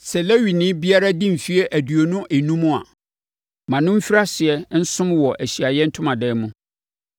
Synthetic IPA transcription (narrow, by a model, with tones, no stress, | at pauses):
sɛ˨le˦ɥi˨nɪ̃˦bi˦a˦ɾa˦dĩ˦m̩˨fi˦ɛ˦ʔæ˨du˨o˨nʊ̃˦ʔe˨nũ˦mũ˦a̰˨ | mã˨nʊ̃˦m̩˦fi˦ɾa˦sɪ˨ɛ˦n̩˦sʊ̃˦mwɔ˨ʔæ˨ɕi˨a˨jɛ˦n̩˦tʰʊ̃˦mã˨dɛː˦mũ˦